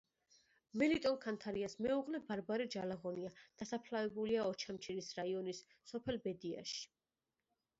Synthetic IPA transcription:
mɛlit̪ʼɔnkʰant̪ʰaɾiasmɛuʁlɛbaɾbaɾɛd͡ʒalaʁɔniad̪̥asapʰlavɛbuliaɔt͡ʃʰamt͡ʃʰiɾisɾaiɔnisː | ɔpʰɛlbɛd̪ia̰ʃi̥

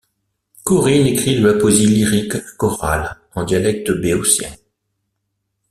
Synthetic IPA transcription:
kɔʁinekχiləapɔziliʁikːɔʁa̰l | ɑ̃d̪jalɛk̚t̪əbeosjɛ̰̃

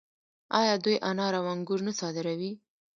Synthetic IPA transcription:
ɑjɑd̪ujʔanɑɾawɑŋɡuɾnasɑd̪ɪɾawi

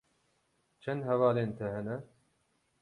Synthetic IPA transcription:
t͡ʃʰɛnd̪hɛvɑːleːnt̪ʰɐɦɛnɛ

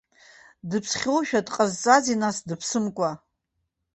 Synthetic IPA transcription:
dɨpʰsχʲowʃᶣadqʼazt͡sʼazinasdɨpʰsɨmkʷʼa

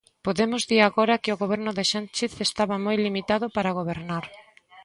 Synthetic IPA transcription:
poðemʊzðiɾaɣoɾɐkɪoɣoβɛɾnʊðɪʃant͡ʃeθest̪aβɐmojlimit̪aðʊpaɾaɣoβ̞eɾnaɾ

